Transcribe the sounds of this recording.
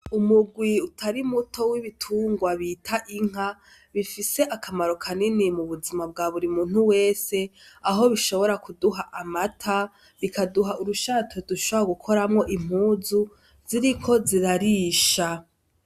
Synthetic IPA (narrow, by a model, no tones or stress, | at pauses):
umuɡwiutʰaɾimutʰo̞wiβitʰuːŋɡwaβitʰaʔiŋ̥a | βifise̞ʔakʰamaɾo̞kʰaninimuβuzimab̚ɡaβuɾimuːn̥uwe̞ːse̞aɦo̞βiʃo̞βo̞ɾakuduɦaʔamatʰa | βikaduɦaʔuɾuʃatʰoduʃooaɡukʰo̞ɾamŋo̞ʔim̥huːzu | ziɾikʰo̞ziɾaɾiːʃa